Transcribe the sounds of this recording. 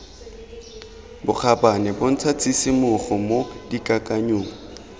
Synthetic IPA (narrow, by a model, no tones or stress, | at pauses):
bʊk͡xʰabanɛbon̩t͡sʰat͡sʰisɪmʊχɔmodikʼakʼaɲoːŋ̩